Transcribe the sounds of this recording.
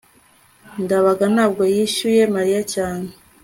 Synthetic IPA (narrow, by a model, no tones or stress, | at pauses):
ndaβaɡanaːb̚ɡojiʃuje̞maɾijacaːne